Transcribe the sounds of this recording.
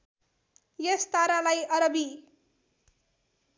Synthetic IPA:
jest̪aɾalajʌɾʌbi

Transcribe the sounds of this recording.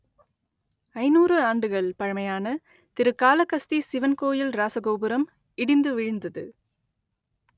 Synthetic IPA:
ɐɪnuːrɯaːɳɖɯɣɐɭpɐɻɐmɐjaːnɐ | t̪ɪɾɯkːaːlɐkːɐst̪isɪʋɐnkoːjɪlɾaːsɐɣoːbɯɾɐm | ɪɽɪnd̪ɯʋɪɻɯnd̪ɐðɯ̰

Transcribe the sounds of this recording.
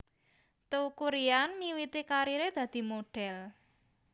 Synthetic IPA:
t̪oukuɾianmiwit̪ikaɾiɾed̪̥ä̤d̪̥i̤moɖ̥ɛl

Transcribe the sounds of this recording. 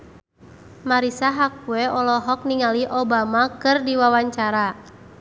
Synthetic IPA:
maɾisaɦak̚uɛɔlɔɦɔk̚niŋaliʔɔbamakɨrdiwawaɲt͡ʃaɾa

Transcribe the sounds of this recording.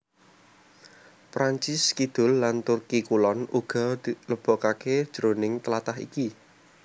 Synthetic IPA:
pɾaɲt͡ʃɪskid̪̥ʊ̤lːant̪urkikulɔnuɡ̥ɔ̤d̪̥iləb̥ɔ̤kaked̥ʒ̥ɾonɪŋt̪əlat̪aɦḭki

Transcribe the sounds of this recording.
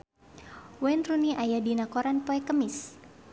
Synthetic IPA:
wɛnruniʔajadinakɔɾanpɔɛkəmɪs

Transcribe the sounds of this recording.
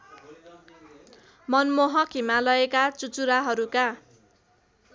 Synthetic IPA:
mʌnmoɦʌkʰimalʌekat͡sut͡suɾaɦʌɾuka

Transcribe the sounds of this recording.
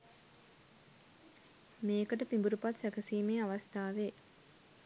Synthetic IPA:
meːkəʈəpimbuɾupat̪sækəsiːmeːaʋast̪aːʋeː

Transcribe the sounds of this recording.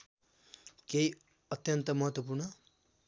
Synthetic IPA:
kei | ʌt̪jʌnt̪ʌmʌɦʌt̪wʌp̬urnʌ

